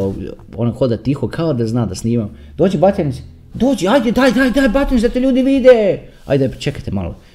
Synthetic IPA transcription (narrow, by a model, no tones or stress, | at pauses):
o | onaxod̪at̪ixokʰaod̪aznaːd̪asniːmam | d̪̥oːd͡ʒibat̪ʲens | d̪oːd͡ʒiajd̪ed̪ajd̪ajd̪ajbat̪ʲensd̪at̪eʎʲuːd̪iʋid̪e | a̰jd̪apt͡ʃekat̪ema̰lo̰